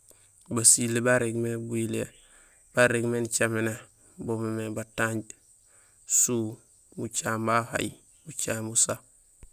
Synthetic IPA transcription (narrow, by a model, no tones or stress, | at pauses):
basilebaɾeɡmebuile | b̥aɾeɡment͡ʃamena | bomemebataɲɟ | su | but͡ʃaːmbaha̰j | but͡ʃambusa